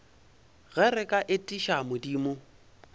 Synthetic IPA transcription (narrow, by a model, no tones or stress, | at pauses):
ɣɛɾɪkʼaʔɪtʼiʃamʊdiːmʊ